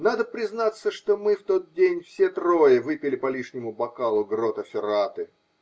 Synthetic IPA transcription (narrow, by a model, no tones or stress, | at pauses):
nad̪əpɾʲɪznat̪sːəʂt̪o̞mɨft̪o̞t̪̚dʲenʲfsʲet̪ɾo̞jəvɨpʲɪlʲɪpɐlʲiʂnʲɪmʊbɐkalˠʊɡrot̪ɐfʲɪɾat̪ɨ